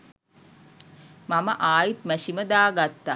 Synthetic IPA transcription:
maməʔaːjit̪mæsiməd̪aːɡat̪ːa

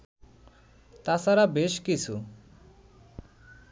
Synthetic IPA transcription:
t̪asaɾabeʃkit͡ɕʰu

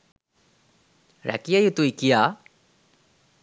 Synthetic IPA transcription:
ɹa̰kijajut̪uikija

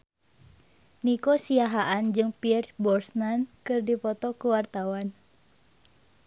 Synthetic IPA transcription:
nikosiaɦaʔand͡ʒɨŋpiɛrsbɔrsnankɨrdipɔt̪ɔkuwart̪awan

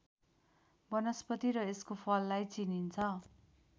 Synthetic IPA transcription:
bʌnʌspʌt̪iɾʌeskopʰʌlːajt͡sinint͡sʰʌ

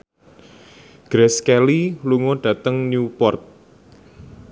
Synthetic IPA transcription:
ɡ̥ɾɛskɛliluŋoɖ̥ä̤t̪əŋnjupɔrt̪̚

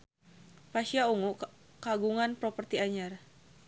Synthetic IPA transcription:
paʃiauŋuʔ | kaɡuŋanpɾɔpərt̪iaɲar

